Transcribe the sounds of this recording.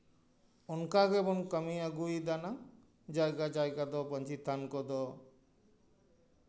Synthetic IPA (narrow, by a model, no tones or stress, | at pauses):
ɔnkakɛbɔŋkamiaɡujd̪ana | d͡ʒajɡad͡ʒajɡad̪ɔpant͡ʃit̪ʰːankɔd̪ɔ